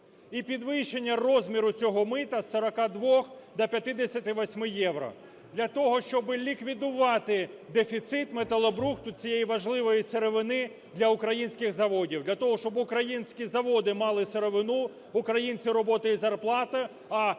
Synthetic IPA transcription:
ipʲid̪ʋɪʃenʲːɐrɔzʲmʲiɾʊt͡sʲɔɦɔmɪt̪ɐsːɐɾɐkɑd̪ʋɔxd̪ɐpʲjɐt̪ɪd̪esʲɐt̪ɪʋɔsʲmɪjɛʋɾɔ̰ | d̪lʲɐt̪ɔɦɔʃt͡ʃɔbɪlʲikʋʲid̪ʊʋɑt̪ɪd̪efʲit̪sɪt̪met̪ɐlˠɔbɾuxt̪ʊt͡sʲijejiʋɐʒlˠɪʋɔjiseɾeʋɪnɪ | d̪lʲɐʊkɾɐjinʲsʲkʲɪxzɐʋɔdʲiwd̪lʲɐt̪ɔɦɔʃt͡ʃɔbʊkɾɐjinʲsʲkʲizɐʋɔd̪ɪmɑlˠɪseɾeʋɪnu | ʊkɾɐjinʲt͡sʲiɾɔbɔt̪ɪizɐrplˠɑt̪ɐ | ɐ

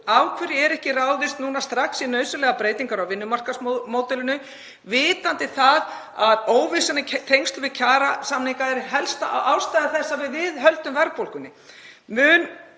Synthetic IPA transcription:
awkʰvɛɾɪɛɾɛhcɪraːwðɪst̪nuːnast̪ɾaksinœːɥsʏlɛːɣapɾeːjt̪iŋkaɾawvɪnːʏmar̥kasmmoːwt̪ɛlɪnʏ | vɪːt̪ant̪ɪθað | aðoːwvɪsanɪt̪ʰejŋst̪ʏvɪðcʰaːɾasaːmniŋkaɛɾɦɛlst̪aawst̪aːjðaθɛsːavɪðvɪðɦœlt̪ʏmvɛɾpowlkʏnːɪmʏːn

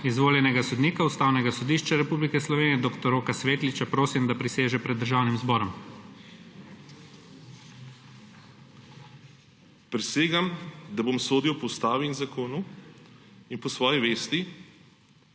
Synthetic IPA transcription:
izʋoːljɛnɛɡasɔd̪niːkaust̪aːwnɛɡasɔd̪iːʃt͡ʃaɾɛpublikɛslɔʋeːniɛd̪okt̪ɔɾoːkasʋeːt̪lit͡ʃapɾoːsimd̪apɾiseːʒɛpɾɛd̪ːəɾʒaːwnimzbɔːɾɔm | pɾɛseːɡamd̪abomsoːd̪iwpɔst̪aːʋiːnzakoːnu | inpɔsʋɔːjiʋeːst̪i

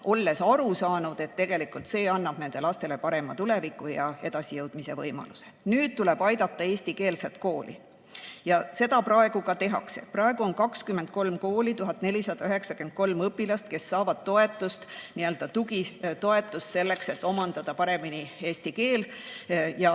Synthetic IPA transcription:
ʔo̞lːe̞sɑɾusɑːnud̪̥e̞t̪ːe̞ɡ̥e̞likˑult̪se̞ːɑnːɑb̥ne̞ne̞lɑst̪e̞le̞pɑɾe̞mɑt̪ulevikːˑujɑe̞d̪̥ɑsijɤwd̪̥mise̞vɤjmɑ̰luse̞̥nyːd̪̥̚t̪ule̞b̥ɑjd̪̥ɑt̪ːˑɑeːsʲt̪ike̞ːlset̪̚ko̞ːlʔḭ | jɑse̞d̪̥ɑpɾɑeɡ̥ukɑt̪e̞ɦɑ̰ksḛpɾɑeɡ̥uo̞nkɑkskymːent̪̚ko̞lmko̞ːlit̪uɦɑt̪ːˑne̞lʲisɑd̪̥ɑyɦe̞ksɑkyent̪̚ko̞lmɤpːilɑst̪ke̞sːɑːvɑd̪̥̚t̪ːo̞e̞t̪ːˑust̪niøld̪ɑt̪uɡit̪o̞e̞t̪ːˑust̪se̞lːe̞kse̞t̪ːˑo̞mɑnd̪ɑd̪̥ɑpɑɾe̞minie̞ːsʲt̪ike̞ːl | jɑ

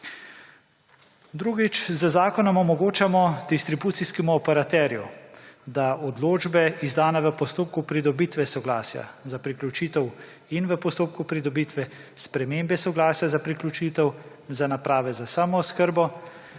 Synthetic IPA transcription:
d̪ɾuːɡit͡ʃzəzaːkɔnɔmɔmɔɡoːt͡ʃamɔd̪ist̪ɾibuːt̪siskɛmuɔpɛɾat̪ɛːɾjud̪aɔd̪loːd͡ʒbɛizd̪aːnɛʋəpɔst̪oːp̚kupɾid̪ɔbiːt̪ʋɛsɔɡlaːsja̰zapɾiklʲut͡ʃiːt̪ɛw | inʋəpɔst̪oːp̚kupɾid̪ɔbit̪ʋɛspɾɛmembɛsɔɡlaːsjazapɾiklʲut͡ʃiːt̪ɛw | zanapɾaːʋɛzasaːmɔːskəɾbɔ

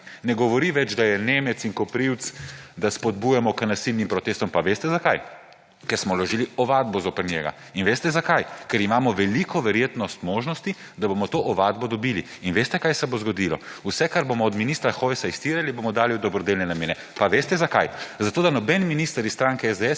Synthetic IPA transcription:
nɛɡɔʋɔɾiʋɛd͡ʒd̪ajɛneːmɛt̪siŋkɔpɾiwt̪sd̪aspɔd̪̚bujɛmɔkənasilnimpɾɔt̪eːst̪ɔmpaʋeːst̪ɛzakaj | kɛɾsmɔlɔʒiːliɔʋaːd̪̚bɔzoːpəɾnʲjɛɡa̰ | inʋeːst̪ɛzakajkɛɾimaːmɔʋɛlikʰɔʋɛɾjeːt̪nɔst̪moːʒnɔst̪i | d̪abomɔt̪oʔɔʋad̪̚bɔd̪ɔbiːliːnʋest̪ɛkajsɛbozɡɔd̪ilɔ̰usɛkaɾbomɔːd̪minist̪ɾaxojsaist̪iːɾalibomɔd̪aːliud̪ɔbɾɔd̪elnɛnameːnɛ | paʋeːst̪ɛzakajzat̪oːd̪anɔbɛnminist̪əɾist̪ɾaːŋkɛɛzd̪eɛ

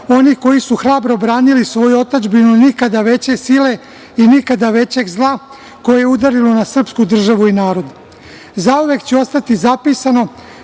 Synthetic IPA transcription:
o̞niko̞jisuxɾaːbɾo̞bɾaːnilisʋo̞juo̞t̪ad͡ʒbinunikad̪aʋe̞t͡ɕe̞sile̞ | inikad̪aʋe̞t͡ɕe̞ɡzlˠa | ko̞jejeud̪aɾilonasr̩pskud̪r̩ʒaʋuinaːɾo̞d̪ | zauʋe̞kt͡ɕeo̞st̪at̪izapisano̞

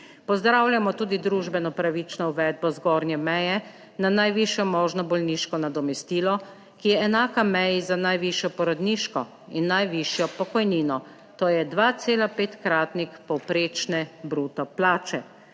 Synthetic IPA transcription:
pɔzd̪ɾawljamɔt̪uːd̪id̪ɾuʒbɛnɔpɾaʋit͡ʃnɔuʋɛd̪̚bɔzɡɔːɾnjɛmɛjɛ | nanajʋiːʃjɔmɔːʒnɔbɔlniʃkɔnad̪ɔmɛst̪iːlɔ | kijɛɛnaːkamɛjizanajʋiːʃjɔpɔɾɔd̪niːʃkɔ | inːajʋiʃjɔpɔkɔjniːnɔ | t̪oːjɛd̪ʋaːt̪seːlapeːt̪kɾaːt̪nixpɔwpɾeːt͡ʃnɛbɾuːt̪ɔplaːt͡ʃɛ

